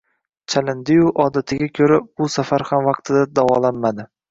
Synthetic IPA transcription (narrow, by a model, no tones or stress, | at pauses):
t͡ʃʰalɪnd̪ɪjʊʔɒd̪at̪ʰɪɡʲakʲʰɵɾabʊsafaɾhamvɑqt̪ʰɪd̪ad̪avɒ̰lanmad̪ɪ